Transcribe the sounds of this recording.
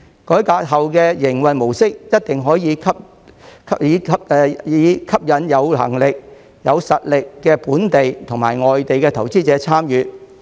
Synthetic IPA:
kɔː˨˥jkaː˧t̚ɦɐ˨wkɛː˧jɪ˨˩ŋwɐ˨nmo˨˩wsɪ˥k̚jɐ˥t̚t̪ɪ˨ŋɦɔː˨˥jiː˨˧kʰɐ˥p̚ | kʰiː˨˧ɐ˥p̚ɛː˨˧jiː˨˧˥kʰɐ˥p̚jɐ˨˥njɐ˨˧wlɐ̰˨˩ŋlɪ˨k̚ | jɐ˨˧wsɐ˨t̚lɪ˨kːɛː˧puː˨˥nt̪e˨jt̪ʰʊ˨˩ŋmaː˨˩jŋɔː˨jt̪e˨jkɛː˧t̪ʰɐ˨˩wt͡siː˥t͡sɛː˨˥t͡sʰaː˥mjyː˨˧

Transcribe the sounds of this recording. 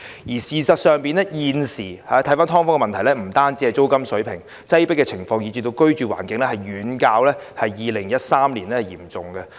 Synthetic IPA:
jiː˨˩siː˨sɐ˨t̚sœː˨ŋpiː˨nɛː˦˥jiː˨˧nsiː˨˩haː˨˦t̪ʰɐ˨˥jfaː˥nt̪ʰɔː˥ŋfɔ˥ŋɛ˧mɐ˨nt̪ʰɐ˨˩jlɛ˥m̩˨˩t̪aː˥nt͡siː˧˥ɐ˨˧jt͡so˥wkɐ˥msɵ˨˥ɥpʰɪ˨˩ŋ | t͡sɐ˥jpɪ˥kːɛ˧t͡sʰɪ˨˩ŋfɔː˧ŋjiː˨˧t͡ʃyː˨˧t̪o˧wkɵ˥ɥt͡ʃyː˨wa̰ː˨˩nkɪ˨˧ŋlɛː˥hɐ˨jːyː˨˧nkaː˧wlɛː˥hɐ˨jːiː˨˧lɪ˨˩ŋjɐ˥t̚saː˥mliː˨˩nlɛː˦˥hɐ˨˩jḭː˨˩mt͡sʊ˨ŋɡɛ˧

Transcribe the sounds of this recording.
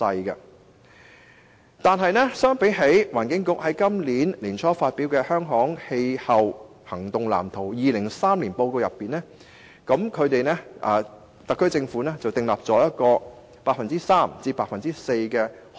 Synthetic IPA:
ɐ˧jkɐ˧ | t̪aː˨nɦɐ˨˧jnɛ˥sœː˥ŋpe˨˥jɦe˨˥jwaː˨˩nkɪ˨˥ŋkʊ˨˥k̚hɐ˨˥jkɐ˥mliː˨˥nliː˨˩nt͡ʃʰɔː˥faː˧t̚pi˨˥wkɛː˧hœː˥ŋɦɔː˨˥ŋhe˧jhɐ˨w | hɐ˨˩ŋt̪ʊ˨ŋla̰ː˨˩mt̪ʰo˨˩wjiː˨lɪ˨˩ŋsaː˥mliː˨˩npo˧wko˧wjɐ˨pːiː˨nɛː˥ | kɐ˨˥mkʰɵ˨˧ɥt̪e˨jnɛ˥ʔɐː˨˩ | t̪ɐ˨kʰːɵ˥ɥt͡sɪ˧ŋfuː˨˥nɛː˥t͡sɐ˨wt̪ɪ˨ŋlaː˨p̚t͡sɔː˨˥jɐ˥t̚kɔː˧ | paː˧k̚fɐ˨nt͡siː˥saː˥mt͡siː˧paː˧k̚fɐ˨nt͡siː˥se˧jkɛː˧

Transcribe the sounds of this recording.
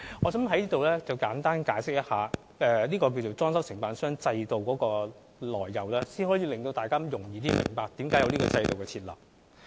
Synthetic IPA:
ŋɔː˨˧sɐ˨˥mɦɐ˨˥jliː˥t̪o˨wlɛː˥t͡sɐ˨wkaː˨˥nt̪aː˥nkaː˨˥jsɪ˥k̚jɐ˥t̚haː˨ | ɛː˨˧niː˥kɔː˧k̬i˧wt͡so˨˩wt͡sɔː˥nsɐ˥wsɪ˨˩ŋpaː˨nsœː˥ŋt͡sɐ˧jt̪o˨wkɔː˨˥kɔː˧ | lɔ̰ː˨˩jːɐ˨˩wlɛː˥siː˥nhɔː˨˥jiː˨˧lɪ˨ŋt̪o˧wt̪aː˨jkaː˥jʊ˨˩ŋjiː˨t̪̬iː˥mɪ̰˨˩ŋpaː˧k̚t̪iː˨˥mkaː˨˥jɐ˧wlniː˥kɔ̰˧t͡sɐ˧jt̪o˨wkɛ˧t͡sʰiː˧t̚lɐ̰ː˨˩p̚

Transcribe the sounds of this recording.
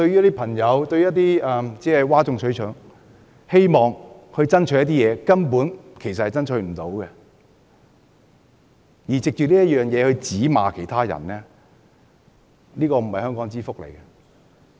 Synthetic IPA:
t̪ɵ˧ɥy˥ɐ˥t̪i˥pʰɐ˨˩ŋjɐ˨˧wt̪ɵ˧ɥːjɐ˥t̬̪ːiː˥ɛː˨t͡sɛː˦˥˨waː˥t͡sʊ˧ŋsɵ˨˥t͡ʃʰœː˨˥ŋ | he˥jmɔː˨ŋhɵ˧ɥt͡sɐ˥nt͡ʃʰɵ˨˧˥jɐ˥t̪̬iː˥jɛː˨˧kɐ˥npuː˨˥nkʰe˨˩js̬ɐt̚hɐ˨jt͡sɐ˥nt͡ʃʰɵ˨˧ɥm̩˨˩t̪o˨˥wkɛ˧ | jiː˨˩t͡sɪ˨k̚t͡ʃyː˨t̚liː˥jɐ˥t̚jœː˨ŋjɛː˨˧hɵ˧ɥt͡siː˨˥ma̰ː˨kʰe˨˩jt̪ʰaː˥jɐ̰˨˩nlɛː˥ | niː˥kɔː˧m̩˨˩hɐ˨jhœː˥ŋkɔː˨˥ŋt͡siː˥fʊ˥k̚lḛ˨˩jkɛ˧

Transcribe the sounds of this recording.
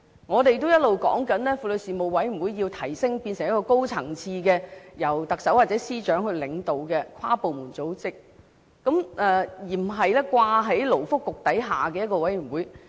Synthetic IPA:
ŋɔː˨˧t̪e˨jt̪o˥wjɐ˥t̚lo˨wkɔ̰ː˨˥ŋkɐ˨˥nlɛː˥fu˨lɵ˨˧siː˨˩mo˨wwɐ˨˥j̩˨˩wuː˨˥jːi˧wt̪ʰɐ˨˩jsɪ˥ŋpi˧nsɪ˨˩ŋjɐ˥kːɔː˧ko˥wt͡sʰɐ˨˩ŋt͡sʰiː˧kɛː˧jɐ˨˩wt̪ɐ˨k̚sɐ˨˥waː˨˩t̚t͡sɛː˨˥siː˥t͡ʃœː˨˥ŋhɵ˧ɥlɪ˨˧ŋt̪o˨˧wkɛː˧kʷʰwaː˥po˨wmuː˨˩nt͡so˨˥wt͡sɪ˥k̚ː | ɐ˨˥mɛː˨jiː˨˩m̩˨˩ɦɐ˨jlɛː˥kʷwaː˧ɦɐ˨˥jlo˨˩wfʊ˥kːʊ˨k̚t̪ɐ˨˥jɦaː˨˩kɛː˧jɐ˥t̚kɔː˧wɐ˨˥jy˨˩nwuː˨˥j

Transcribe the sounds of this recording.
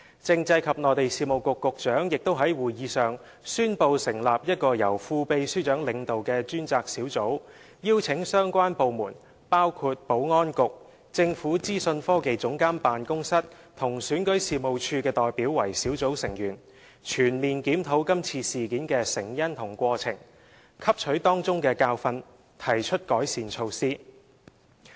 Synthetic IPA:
t͡sɪ˧ŋt͡sɐ˧jkʰɐ˨p̚nɔː˨˧t̪e˨jsiː˧˩mo˨wkʊ˨kːʊ˨˧k̚t͡ʃœː˨˥ŋjɪ˨k̚t̪o˥wɦɐ˨˥jwuː˨˩jjiː˨˧sœː˨ŋ | syː˥npo˧wsɪ˨˩ŋlaː˨p̚jɐ˥t̚kɔː˧jɐ̰˨˩wfuː˧pe˨˧jsyː˥t͡ʃœː˨˥ŋlɪ˨˧ŋt̪o˨wkɛː˧t͡ʃyː˥nt͡saː˧k̚siː˨˥wt͡so˨˥w | jiː˥wt͡sʰɪ˨˥ŋsœː˥ŋkʷwaː˥npo˨wmuː˨˩n | paː˥wkʰuː˧t̚po˨˥wŋɔː˥nkʊ˨k̚ | t͡sɪ˧ŋfuː˨˥t͡siː˥sɵ˧nfɔː˥ke˨jt͡sʊ˨˥ŋkaː˥mpaː˨nkʊ˥ŋsɐ˥t̚ | t̪ʰʊ˨˩ŋsyː˨˥nkɵ˨˥ɥsiː˨˧mo˨wt͡ʃʰyː˧kɛː˧t̪ɔː˨jpiː˨˥wːɐ˨˩jsiː˨˥wt͡so˨˥wsɪ˨˩ŋjyː˨˩n | t͡ʃʰyː˨˩nmiː˨nkiː˨˥mt̪ʰo˨˥wkɐ˥mt͡sʰiː˧siː˨kiː˨˥nkɛː˧sɪ˨˩ŋjɐ˥nt̪ʰʊ˨˩ŋkʷɔː˧t͡sʰɪ̰˨˩ŋ | kʰɐ˥p̚t͡ʃʰɵ˨˧˥ɥt̪ɔː˥ŋt͡sʊ˥ŋkɛː˧kaː˧wfɐ˧n | t̪ʰɐ˨˩jt͡ʃʰɵ˥t̚kɔː˨˥jsiː˨nt͡ʃʰo˧wsiː˥

